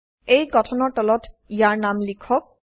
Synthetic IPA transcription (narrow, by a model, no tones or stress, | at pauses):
ejɡɔtʰɔnɔɹtɔlɔtijaɹnamlikʰɔk̚